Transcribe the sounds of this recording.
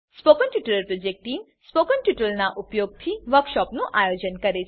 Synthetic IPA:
spoːkənʈjuʈələɾpɾod͡ʒek̚ʈiːm | spokənʈjuʈəlnaʔupjoːɡ̚t̪ʰiʋəɾkʃɔːpnũʔajod͡ʑənkɐɾet͡ʃʰ

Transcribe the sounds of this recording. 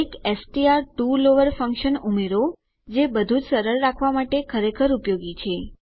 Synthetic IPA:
ekesʈiaɾʈuloʋəɾfə̃ŋkʃənumeɾo | d͡ʒebəd̪ʱud͡ʒsəɾəɾːakʰʋamaʈekʰəɾekʰəɾupjoɡit͡ʃʰe

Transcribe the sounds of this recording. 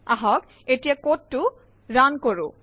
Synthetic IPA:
aɦɔk | etijakotːu | ɹankoɹṵ

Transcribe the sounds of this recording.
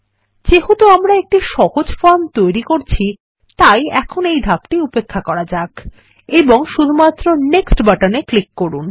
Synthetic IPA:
d͡ʑeɦot̪oamɾaek̚ʈiʃɔɦod͡ʑfant̪ojɾikoɾt͡ɕʰi | t̪ajɛkʰonejd̪ʱak̚ʈiupekʰːakɔɾad͡ʑak | eboŋʃud̪ʱumat̪ːɾoneksʈbaʈaneklikːoɾun

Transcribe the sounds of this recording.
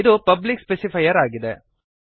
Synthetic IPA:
ɪðɯpɐblɪkspɛsɪfɐjɐɾaːɣɪðɐ

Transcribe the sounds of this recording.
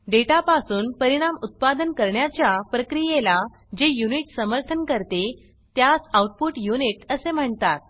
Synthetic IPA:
ɖeʈapasuːnpəɾiɽ̃amut̪̚pad̪ənkəɾɳjat͡ɕjapɾəkɾijela | d͡ʑejuniʈsəməɾt̪ʰənkəɾt̪e | t̪jasawʈ̚puʈjuniʈəsem̤əɳt̪at̪̚

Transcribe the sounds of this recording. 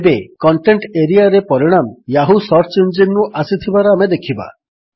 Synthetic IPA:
bekɔɳʈeɳʈeɾiaɾepɔɾiɽ̃amjaɦusɔɾt͡ʃend͡ʒennuʔasit̪ʰibaɾɔamed̪ekʰiba̰

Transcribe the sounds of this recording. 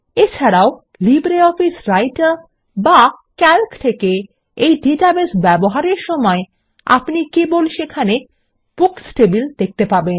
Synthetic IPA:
et͡ɕʰaɾao | libɾeɔfisɾajʈaɾ | bakɛlkt̪ʰeke | ejɖiʈabesbɛboɦaɾeɾʃɔmɔe | a̰pnikebolʃekʰane | b̥uksʈebild̪ek̚ʰt̪epaben

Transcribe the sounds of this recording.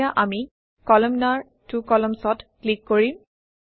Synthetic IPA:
aʔami | kɔlɔmnaɹ | tukɔlɔmsɔtklikːoɹi

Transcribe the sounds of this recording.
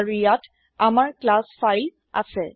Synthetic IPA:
ɹijat | amaɹklasfʰajl | a̰sɛ

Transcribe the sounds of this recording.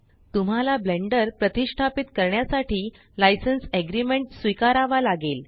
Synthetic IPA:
t̪um̤alableɳɖəɾpɾət̪iʂʈʰapit̪kəɾɳjasaʈiː | lajsənseɡɾimeɳʈsʋikaɾaʋalaɡel

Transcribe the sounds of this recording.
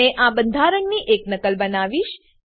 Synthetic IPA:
eʔãbənd̪ʱaɾəŋɡniʔeknəkəlbənaʋiʃ

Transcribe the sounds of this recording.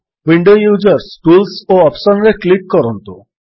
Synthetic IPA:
wiɳɖojud͡ʒɔɾsʈulsoɔpsɔnɾekliʈ̚kɔɾɔnt̪u

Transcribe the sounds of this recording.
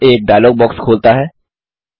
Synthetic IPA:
eːk̚ɖaːjloːɡ̚bɔːkskʰoːlt̪aɦɛː

